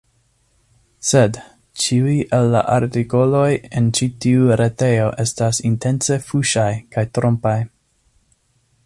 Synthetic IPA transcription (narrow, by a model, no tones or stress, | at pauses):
se̞d | t͡ʃiujʔelːa̰ʔaɾtiko̞lo̞je̞nt͡ʃitiuɾe̞te̞jo̞ʔe̞stasintʰe̞nse̞fuʃajkajtɾo̞mpaj